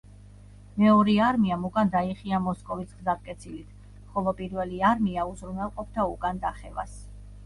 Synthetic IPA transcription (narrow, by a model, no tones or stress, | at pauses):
mɛɔɾiaɾmiamukʼand̪aiχiamɔskʼɔvisɡzaɾkʼɛt̪sʰilit̪ʰ | χɔlˠɔpʼiɾvɛliaɾmiauzɾunɛlˠqʼɔp̚ʰt̪ʰaukʼand̪aχɛva̰s